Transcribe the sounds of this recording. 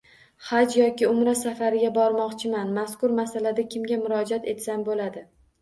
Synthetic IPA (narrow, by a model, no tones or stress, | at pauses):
χad͡ʒjɒkʲɪʊmɾasafaɾɪɡʲabɒɾmɒqt͡ʃʰɪmanmaskʊɾmasalad̪akʲʰɪmɡʲamʊɾɒd͡ʒat̪e̞t̪sanbolad̪ɪ